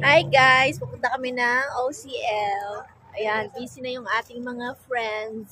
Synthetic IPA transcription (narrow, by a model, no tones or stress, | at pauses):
ʔajɡajspɐpʊnt̪ɐkɐmɛnɐŋʔowsiːʔɛl | ʔɐjanʔiːsɪnɐjʊŋʔaːt̪ɪŋmɐŋafɹɛnd̪s